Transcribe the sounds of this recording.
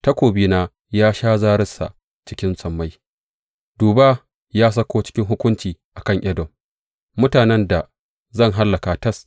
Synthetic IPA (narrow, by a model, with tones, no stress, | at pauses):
ta˦kʷoː˨biː˦naː˦ | jaː˦ʃaː˦zaː˦ɾɪ˦sa̰˨ʔ | t͡ʃɪ˦kʲɪ˦nsɐ˨mːa˦j | d̥uː˨baː˦ | jaː˦s̬ɐ˦kʷoː˦t͡ʃɪ̥˦kʲɪ˦ŋɦʊ˦kʷʊ˦nt͡ʃiː˨ʔa˨kɐ˦˨ŋʔɐ˦dɔ˨mː | ʊ˦taː˨nɛ˦nda˨ | zɐ˦˨ŋɦa˦lːɐ˨ka˨tɐ˦s